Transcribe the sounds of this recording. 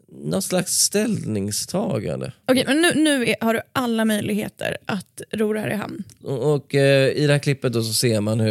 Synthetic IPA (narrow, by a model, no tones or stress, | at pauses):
nɔt̪slaksːt̪ɛlnɪŋst̪ʰɑːɡa̰nd̪ə̰ɔkʰɛjmɛnːʉ̟ːnʉ̟ːæhaɖɵʔalːamœjlɪɡhḛːt̪ʰə̰ɾʔat̪ɾuːɾɛhæːɾɪɦa̰mnɔkɪd̪ɛhæːkʰlɪpːət̪̚d̪osɔseːɾmanhɵ